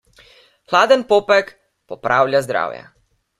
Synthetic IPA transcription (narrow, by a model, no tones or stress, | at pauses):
xlaːd̪ənpoːpɛk | pɔpɾaːwlʲjazd̪ɾa̰ːwja̰